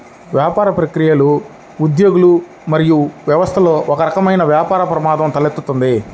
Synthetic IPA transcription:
ʋjaːpaːɾɐpɾɐkɾijɐluː | d̪jo̞ːɡulu | mɐɾijuʋjɐʋɐst̪ʰɐlo̞ːʔɔkɐɾɐkɐmɐjnɐʋjaːpaːɾɐpɾɐmaːd̪ɐmt̪ɐlet̪ːut̪und̪i

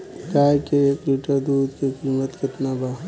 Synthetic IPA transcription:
kaːjkeekliːʈəɾd̪uːd̪kekiːmət̪kɪt̪naba

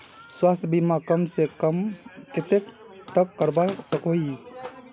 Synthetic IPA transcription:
swast̪ʰjbimakəmsekmket̪ek | t̪əkːəɾbasəkoi

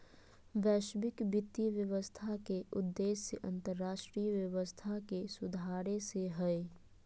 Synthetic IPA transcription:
ʋɛːʃbɪkbɪt̪ːiʋjəʋəst̪ʰakeʔʊd̪ːeːsːəʔɐ̃nt̪əɾːaːʃʈɾiːjəʋjəʋəst̪ʰakesʊd̪ʱaːɾeseɦɛe

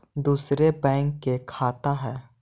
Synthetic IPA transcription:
d̪uːsɾebɛ̃ːŋkːekʰaːt̪aɦɛː

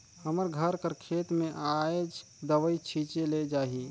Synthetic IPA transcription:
həməɾɡʱəɾkəɾkʰeːt̪mẽʔad͡ʒ | d̪əʋəit͡ʃʰiːt͡ʃeled͡ʒaːɦi

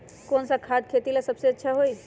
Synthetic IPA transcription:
konsãkʰad̪̚kʰet̪ilesəbseətːʃʰaɦoj

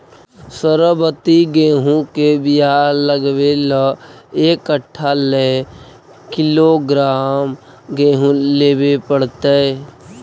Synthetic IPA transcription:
səɾəbət̪iɡẽːɦũkebijaləɡʋeləeːkəʈʰːale | kɪloɡɾaːm | ɡẽːɦũleːbepəɽt̪e

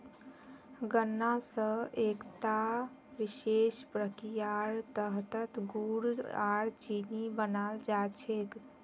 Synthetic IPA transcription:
ɡənːasə̃ʔekt̪a | ʋiʃespɾəkijaɾt̪əɦt̪ət̪ɡuɽaɾt͡ʃinibənald͡ʒat͡ʃʰek

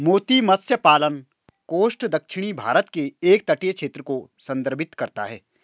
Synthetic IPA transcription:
moːt̪imɐt̪sjəpaːlən | koːsʈd̪ɐkʃɪɽ̃ibʱaːɾət̪keeːk̚t̪ɐʈijkʃʰeːt̪ɾəkosɐ̃nd̪əɾbʱɪt̪kɐɾt̪aɦɛː

